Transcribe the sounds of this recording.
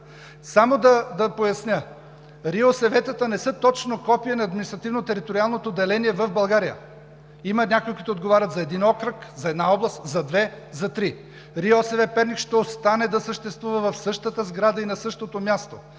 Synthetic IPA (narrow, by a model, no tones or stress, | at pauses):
samod̪ɐd̪ɐpojɐsnʲə | ɾiosɛvɛt̪ət̪ənɛsət̪ɔt͡ʃnokɔpiənɐːd̪minist̪ɾɐt̪ivnot̪ɛɾit̪oɾialˠnot̪oːd̪ːɛlɛniɛvɐvbɐlˠɡaɾijə̰ | imənʲakojikuit̪od̪ɡovaɾʲət̪zɐɛd̪inɔkɾəkzɐɛd̪naɔblˠɐst̪zɐd̪vɛ | zɐt̪ɾi | ɾiosɛvɛpɛɾnʲikʃt̪ɛost̪anɛd̪ɐsəʃt̪ɛst̪vuvɐvɐfsɤʃt̪ət̪əzɡɾad̪əinɐsɤʃt̪ot̪omʲjast̪o